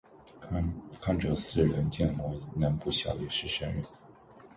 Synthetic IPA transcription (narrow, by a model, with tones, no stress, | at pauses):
kʰa˥˧nʈ͡ʂɤ˧˥sɹ̩˥˩ɻə˧˥nt͡ɕjɛ˥˩nmwɔ˧˥na˧˥npu˥˩ɕjɑ̰˨˥ʊjɛ˨˩ʂɻ̩˥˩ʂə˥nɻə˨˩n